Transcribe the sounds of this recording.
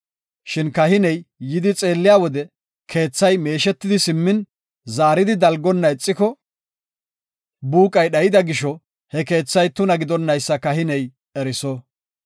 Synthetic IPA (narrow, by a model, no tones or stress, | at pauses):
ʃɪnkɐhɪnɛjːɪd̪ɪt͡sʼe̞ːlːɪjaːwɔd̪ɛ | kʰe̞ːt͡sːɐjme̞ːʃɛt̪ːɪd̪ɪsɪmːɪn | zaːɾɪd̪ɪd̪ɐlɡɔnːɐɪt͡sʼːɪkɔ | buːkʼɐjɗɐjɪd̪ɐɡɪʃɔ | hɛke̞ːt͡sːɐjt̪ʊnɐɡɪd̪ɔnːɐjsːɐkɐɦɪnɛj | ɛɾɪsɔ